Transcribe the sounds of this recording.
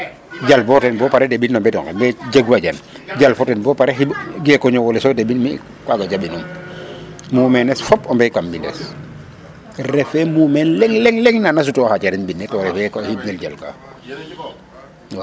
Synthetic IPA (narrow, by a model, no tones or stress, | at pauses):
d͡ʒalbɔtɛnbɔpaɾɛdebinːɔmbɛdɔŋkɛmbɛɟaɡwaɟan | ɟalfɔtɛnbɔpaɾɛɦibɡɛkɔɲɔwɔlɛsɔdebinmi | kwaɡad͡ʒaɓinum | muːmɛnɛsfɔpɔmbɛkambindɛ̰s | ɾɛfɛmumɛnlɛŋlɛŋlɛŋnanas̬utɔhat͡ʃaɾinbinːɛtɔɾɛfɛhibnelɟalka̰